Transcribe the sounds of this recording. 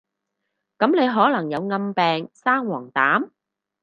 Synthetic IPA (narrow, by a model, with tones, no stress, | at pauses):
kɐ˨˥mne˨˧jɦɔː˨˥lɐ˨˩ŋjɐ˨˧wŋɐ˧mpɛː˨ŋsaː˥ŋwɔː˨˩ŋt̪aː˨˥m